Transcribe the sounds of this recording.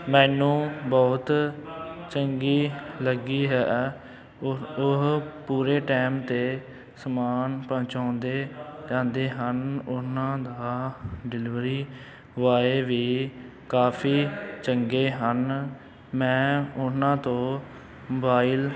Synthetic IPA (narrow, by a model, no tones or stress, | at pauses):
mɛ̃ːnũːbɔːt̪ | t͡ʃəŋɡiːləɡiːɦɛː | ʊɦpuːɾeːʈɛːmt̪eː | səmaːnpə̃ːt͡ʃãːnd̪eːd͡ʒãːnd̪eːɦənʊnãːd̪aːɖɪlɪʋɾiː | ʋaːeːʋiː | kaːpʰiːt͡ʃəŋɡeːɦən | mɛ̃ːʊnãːt̪õː | mːbaːɪl